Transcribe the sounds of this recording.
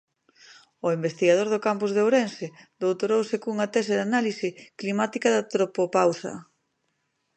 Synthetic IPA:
ʊimbest̪iɣað̞oɾðʊkampuzðeowɾensɪd̪owt̪oɾowsɪkuŋɐt̪ɛseðanalisɪklimat̪ikaðat̪ɾopopawsɐ̰

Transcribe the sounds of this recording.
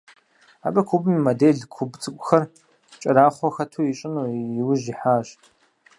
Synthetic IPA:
a̰ːbɐkʷʰubɨmimɐdeːɮkʷʰʊbt͡sʼɨkʷʼʊxɐr | t͡ʃʼɐɾaːχʷɔxɐtʰuːjit͡ʃʼɪnuːjɪwʊʑiħaːɕ

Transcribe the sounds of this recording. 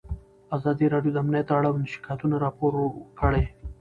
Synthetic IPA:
azɑd̪iɾɑɖjod̪əamnijat̪aɽawnʃi̥kɑjt̪unaɾɑpoɾkəɽej

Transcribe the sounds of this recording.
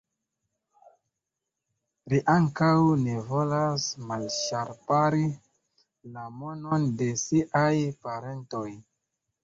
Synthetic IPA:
liʔaŋkawne̞vo̞lasmalʃaɾpaɾi | lamo̞nonde̞siʔajpaɾe̞nto̞j

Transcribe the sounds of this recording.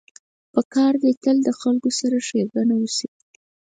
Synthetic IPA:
pəkɑɾd̪ət̪əld̪əxalkosaɾaʃeɾɡanawusi

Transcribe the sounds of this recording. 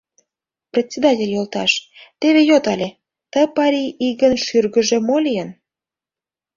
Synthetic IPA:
prʲet͡sʲːed̪ɑtʲelʲjolt̪ɑ̰ʃt̪eβejot̪ɑlʲe | t̪əpɑɾʲiʔiɣənʃyrɣə̆ʒemolijən

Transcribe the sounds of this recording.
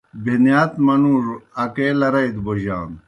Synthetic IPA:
bʱinjaːt̪mɐnuːɾɐkeːlɐɾɐjd̪boʑa̰ːn

